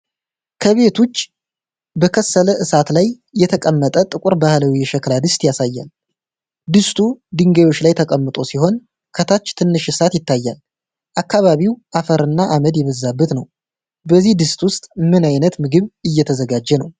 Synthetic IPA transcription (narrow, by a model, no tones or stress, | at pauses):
kʰəβe̞t̪ʰot͡ʃː | bəkʰəsːələʔɨsat̪lajː | ɛt̪ʰəkʼəmːət̪ʼət̪ʼɨkʼuɾbahləwijɛʃɛklad̪ɨst̪ʼjasajːa̰l | d̪ɨst̪ʰud̪ɨŋɡejwo̞t͡ʃːlajt̪ʰəkʼəmːɨt̪ʼo̞siho̞n | kʰət̪ʰat͡ʃːt̪ʰɨnːɨʃɨsat̪jɪt̪ʰːajːa̰l | ʔakːaβaβiwʔafəɾɨnːaʔaməd̪jɛβəzːabːət̪nəw | bəzːihd̪ɨst̪wʊst̪ʼmɨnajnət̪mɨɡɨβɨjːɛt̪ʰəzəɡad͡ʒːɛnəw